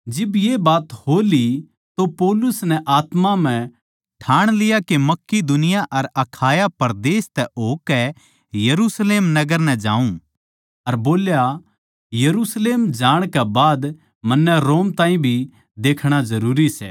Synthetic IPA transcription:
d͡ʒɪbjebaːt̪holi | t̪opɔːlʊsnɛʔaːt̪mam̤ɛ̃ | ʈʰaːɽ̃lɪjakemɐkːid̪ʊnɪjaʔɐɾɐkʰaːjapɐɾd̪eːst̪ɛoːkɛ | jɐɾusleːmnɐɡəɾnɛ̃d͡ʒãːũ | ɐɾboːlja | jɐɾusleːmd͡ʒaːɽ̃kɛbaːd̪ | mɐnːɛɾoːmt̪ãːĩbʱi | d̪eːkʰɽ̃azɐɾuːɾisɛ̰ː

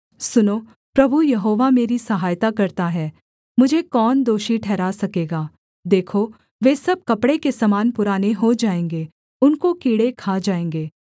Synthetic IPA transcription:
sʊnoː | pɾɐbʱujɐɦoːʋameːɾisɐɦaːjt̪akɐɾt̪aɦɛː | mʊd͡ʒʱekɔːnd̪oːʃiʈʰɛːɾasɐkeːɡaː | d̪eːkʰo | ʋeːsɐb̚kɐpɽekesɐmaːnpʊɾaːneɦod͡ʒaːẽːŋɡeː | ʊnkokiːɽekʰaːd͡ʒaːẽːŋɡeː

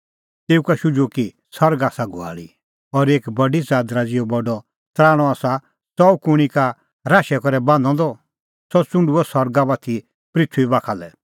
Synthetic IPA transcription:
t̪eːukaʃʊd͡ʒoki | sɐɾɡaːsaɡʱʊa̰ːɭḭ | ɔɾeːkbɐɖizaːd̪ɾad͡zɪjɔbɔɖɔ | t̪ɾaːɽ̃ɔaːsa | sɔukʊɽ̃ika | ɾaːʃɛkɔɾɛbãːnd̪ɔ̃d̪ɔ | sɔt͡sʊ̃ɳɖuɔsɔɾɡabat̪ʰi | pɾɪt̪ʰːuibaːkʰalɛ

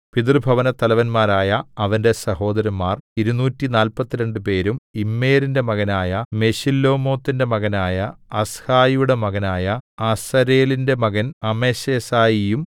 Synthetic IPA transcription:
piðrbʱɐʋɐnɐt̪ɐlɐʋɐnmaːɾaːjɐɐʋɐnde̞sɐho̞ːd̪ɐɾɐmːaːriɾunuːtːinaːlpɐt̪ːiɾe̞ɳɖɨpe̞ːɾumimːe̞ːɾinde̞mɐɣɐnaːjɐme̞ɕilːo̞ːmo̞ːt̪ːinde̞mɐɣɐnaːjɐɐshaːjijuɽe̞mɐɣɐnaːjɐɐsɐɾeːlinde̞mɐɣɐnɐmeɕeːsaːjijum

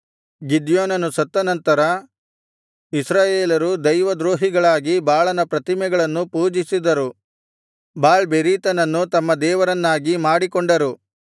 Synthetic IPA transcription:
ɡid̪joːnɐnusɐt̪ːɐnɐnt̪ɐɾɐ | isɾaːjeːlɐɾud̪ɐjʋɐd̪ɾoːɦiɡɐɭaːɡibaːɭɐnɐpɾɐt̪imɛɡɐɭɐnːupuːd͡ʒisid̪ɐɾu | baːɭbeɾiːt̪ɐnɐnːut̪ɐmːɐd̪ɛːʋɐɾɐnːaːɡimaːɽikɔɳɖɐɾu

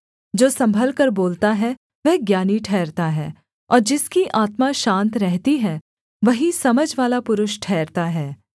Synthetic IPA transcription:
d͡ʒoːsɐ̃mbʱəlkɐɾboːlt̪aɦɛ | ʋɛɦɡjaːniʈʰɛːɾt̪aɦɛ̰ː | ɔːɾd͡ʒɪskiʔaːt̪maʃãːnt̪ɾɛɦt̪iɦɛː | ʋɐɦisɐməd͡ʒʋaːlapʊɾʊʃʈʰɛːɾt̪aɦɛː

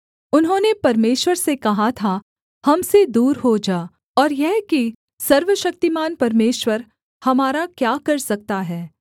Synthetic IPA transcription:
ʊnɦõːnepɐɾmeːʃwəɾsekɐɦat̪ʰa | hɐmsed̪uːɾɦod͡ʒaː | ɔːɾjɛɦki | sɐɾʋəʃɐk̚t̪imaːnpɐɾmeːʃwəɾ | hɐmaːɾakjaːkɐɾsɐk̚t̪aɦɛː

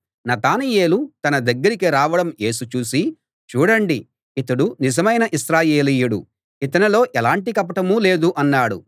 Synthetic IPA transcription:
nɐt̪aːnije̞ːlut̪ɐnɐd̪ɐɡːɐɾikiɾaːʋɐɽɐmje̞ːsut͡ʃuːsi | t͡ʃuːɽɐɳɖi | it̪ɐɽunid͡ʒɐmɐjnɐʔisɾaːjeːliːjuɽṵ | it̪̬ɐnɐlo̞ːʔɛlaːɳʈikɐpɐʈɐmuːle̞ːd̪uʔɐnːaːɽṵ

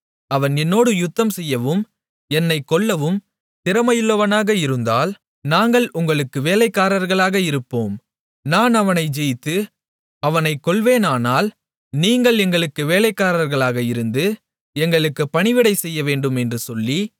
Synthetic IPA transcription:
ɐʋɐnɛnːoːɽɯjʊt̪ːɐmsɛjːɐʋɯm | ɛnːɐɪkːɔɭːɐʋɯm | t̪ɪɾɐmɐjɯɭːɐʋɐnaːɣɐɪɾɯnd̪aːl | naːŋɡɐɭʔʊŋɡɐɭɯkːɯʋeːlɐɪkːaːɾɐɾɣɐɭaːɣɐɪɾɯpːoːm | naːnɐʋɐnɐɪd͡ʒɛjt̪ːɯ | ɐʋɐnɐɪkːɔɭʋeːnaːnaːl | niːŋɡɐɭɛŋɡɐɭɯkːɯʋeːlɐɪkːaːɾɐɾɣɐɭaːɣɐɪɾɯnd̪ɯ | ɛŋɡɐɭɯkːɯpɐɳɪʋɪɽɐɪsɛjːɐʋeːɳɖɯmɛndrɯsɔlːi

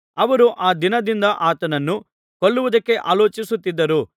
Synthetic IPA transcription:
ɐʋɐɾuʔaːd̪inɐd̪ind̪ɐʔaːt̪ɐnɐnːu | koɭːuʋud̪ɐkːe̞ʔaːlo̞ːt͡ʃisut̪ːid̪ːɐɾu

